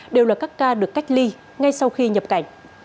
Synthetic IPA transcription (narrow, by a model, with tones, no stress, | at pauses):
ɗe˨˩wlaː˨˩kaː˦˥kːaː˧ɗɨ˨˩əkːa˦˥jk̟̚li˧ | ŋa˧jsa˧wxi˧ɲə˨˩p̚ka̰˧˩˦jŋ̟